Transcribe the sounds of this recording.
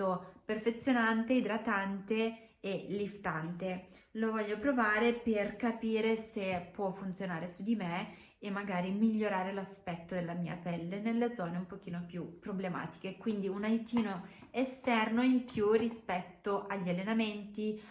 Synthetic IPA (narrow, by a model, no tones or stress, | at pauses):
operfet̪sːjonant̪eid̪ɾat̪ant̪eː | lift̪ant̪e | lovɔʎːopɾovaːɾeperkapiːɾesepːwɔfːunt̪sjonaːɾesud̪imeː | mːaɡaːɾimiʎːoɾaːɾelaspɛt̪ːod̪elːamiːa̰pɛlːenelːed̪zɔːneumpok̟iːnopjupːɾoblema̰ːt̪i̥k̟ekwind̪iunaɾit̪iːno | est̪ɛrnoimpjurːispɛt̪ːoʔaʎːialːenament̪i